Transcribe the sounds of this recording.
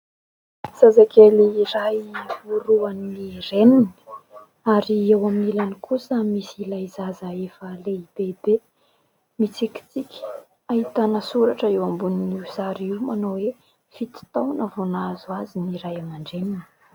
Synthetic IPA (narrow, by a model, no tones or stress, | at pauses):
z̥azakeliiɾajuɾuaniiremini̥ | aɾiewaminilanikʰusəmisilajizazaefəleib̥ebe | mit͡sikʲi̥t͡sikʲi̥ | ait̪anəsuɾaʈ͡ʂəewambuniniusaɾiwmanowe | fit̪i̥t̪awnəvonazuaziniɾajamaɳɖ͡ʐemini̥